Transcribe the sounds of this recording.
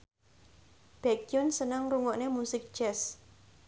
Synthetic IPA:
b̥ɛkiʊnsənəŋruŋɔʔnemusɪk̚d̥d͡ʒɛs

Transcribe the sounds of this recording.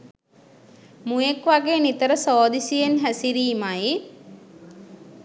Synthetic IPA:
mũjekʋaɡeːnit̪əɾəsoːd̪isijenɦæsiɾiːmaji

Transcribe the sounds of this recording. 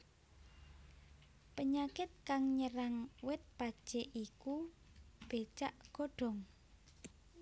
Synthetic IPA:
pəɲakɪt̪̚kaŋɲəɾaŋwɪt̪̚pad̥ʒ̥eʔiku | b̥et͡ʃaʔɡ̥o̤ɖ̥ɔ̤ŋ

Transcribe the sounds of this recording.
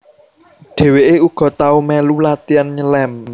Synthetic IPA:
ɖ̥e̤weʔeuɡ̥ɔ̤t̪aumɛlulat̪ianɲəlɛm

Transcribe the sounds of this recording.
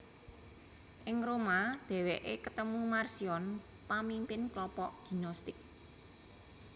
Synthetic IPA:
ʔɪŋɾomad̪̥ɛ̤weʔekət̪əmumarsiɔn | pamimpɪnklɔpɔʔɡ̥i̤nɔst̪ɪk̚

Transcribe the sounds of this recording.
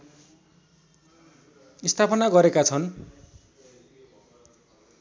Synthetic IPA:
ist̪ʰapʌnaɡʌɾekat͡sʰʌn

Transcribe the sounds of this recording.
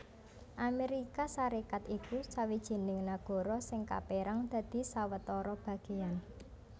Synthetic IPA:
ʔameɾikasaɾekat̪ikusawid̥ʒ̥e̤nɪŋnaɡ̥ɔ̤ɾɔsɪŋka̰peɾaŋd̪̥a̤d̪̥i̤sawət̪ɔɾɔb̥ä̤ɡ̥e̤an

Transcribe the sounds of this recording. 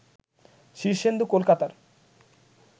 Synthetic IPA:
ʃiɾʃend̪ukolkat̪aɾ

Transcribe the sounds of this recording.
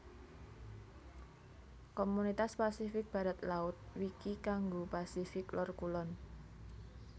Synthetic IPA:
komunit̪aspasifɪk̚b̥ä̤ɾat̪laʊt̪̚wikikaŋɡopasifɪklɔrkulɔn

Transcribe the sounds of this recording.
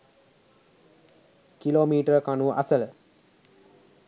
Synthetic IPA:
kiloːmiːʈəɾkanuʔa̰sələ

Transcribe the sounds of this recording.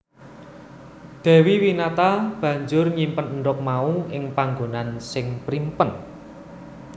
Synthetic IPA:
d̪̥ɛ̤wiwinat̪ab̥ä̤ɲd͡ʒʊrɲimpənəɳɖʊk̚mauʔɪŋpaŋɡonansɪŋpɾimpən

